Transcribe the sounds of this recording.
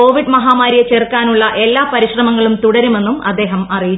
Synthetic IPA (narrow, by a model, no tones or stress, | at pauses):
o̞ːʋiɖmɐɦaːmaːɾjɐt͡ɕerkːaːnuɭːɐʔe̞lːaːpɐɾiɕrɐmɐŋːɐɭumt̪uɽɐɾume̞nːumɐd̪ːeːɦɐmɐriji